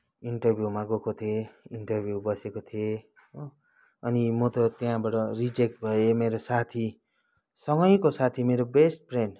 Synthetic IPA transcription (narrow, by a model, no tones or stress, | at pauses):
iɳʈʌrbʱjumaɡokot̪ʰieiɳʈʌrbʱjubʌsekot̪ʰie | o | ʌnimot̪ot̪jãbaʈʌrid͡zek̚ʈ̚bʱʌemeɾosat̪ʰi | sʌŋɡʌjkosat̪ʰimeɾobesʈ̚pren